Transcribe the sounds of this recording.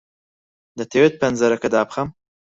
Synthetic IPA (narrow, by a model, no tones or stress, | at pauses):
d̪ɐt̪ʰewet̪̚pʰɐnzɐɾɐkɐd̪aːpxɐm